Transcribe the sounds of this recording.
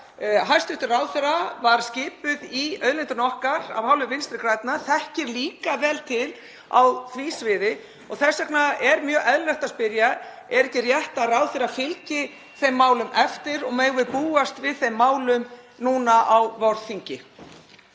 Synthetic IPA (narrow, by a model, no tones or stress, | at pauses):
ɦajst̪ʏht̪ɪrawðθɛɾavaɾscɪːpʏðiœːðlɪnt̪ʏnɔhkaɾa̰vhaːwlʏvɪnst̪ɾɪkɾajt̪̚naθɛhcɪɾliːkavɛːlt̪ʰɪl | a̰wθviːsvɪðɪ | ɔɣθɛsːɛknaɛɾmjœːɣʔɛðllɛht̪aspɪɾja | ɛɾɛhcɪrjɛht̪arawðθɪɾafɪlcɪ | θejmːaːwlʏmɛft̪ɪɾɔɣmeɣvɪpuːast̪vɪðθejmːaːwlʏmnuːnaʔawvɔɾðθiɲcɪ